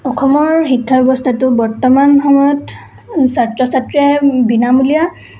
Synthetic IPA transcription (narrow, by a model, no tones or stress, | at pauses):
ɔxʰɔmɔɹxikʰːaɛbɔstʰatʊbɔɹtɔmanxɔmɔjɔt | satɹɔsatɹɛbinamulija